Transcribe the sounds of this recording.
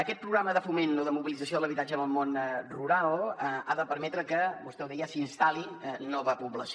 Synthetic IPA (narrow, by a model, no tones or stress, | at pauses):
əkɛt̪̚pɾuɣɾaməðəfumenoðəmuβilid͡zəs̬ioðələβit̪ad͡ʒənəlˠmonruɾalˠəaðəpəɾmɛt̪ɾəkəbust̪ɛwðɛjəsinst̪alinɔβəpuβləs